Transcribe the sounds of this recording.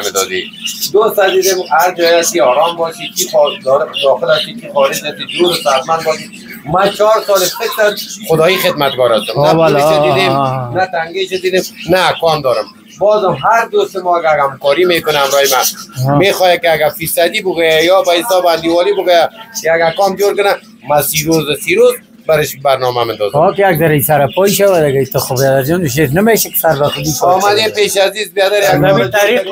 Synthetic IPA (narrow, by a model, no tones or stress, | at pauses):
mɪd̪ɔzḭ | d̪ost̪ad̪id̪emaɾd͡ʒɔjakiɔɾɔmbɔʃikʰixɔd̪ɔlɪd̪ɔxɪlaʃikixɔlɪd͡ʒat̪id̪uɾʊsat̪manbɔːʃi | mat͡ʃɔɾsɔlɪtɪkt̪anχʊd̪ɔixed̪̚mat̪̚ɡɔɾast̪ʊmnapeʃad̪id̪emnat̪aŋɡeʃad̪id̪emnakɔnd̪ɔɾɪm | bɔːzɔmɦaɾd̪ost̪ɪmɔaɡaɾamkɔɾimekʊnaamɾɔjɪmamexɔjakɪaɡafisad̪ibʊɡojajɔbaɪsɔband̪iwɔlibʊɡojakaɡakɔmd͡ʒoɾkʊna | masiɾozasiɾoz | baɾɪʃbaɾnɔmamɪnd̪ɔ̰zɔkɪjaɡ̚zaɾaisaɾapɔiʃawad̪ɪɡait̪əxʊbjad̪aɾd͡ʒɔnɪʃ̬etnameʃakɪ̥saɾbaxʊd̪iʃɔmad̪empeʃazizbjad̪aɾjaɡamt̪ɾi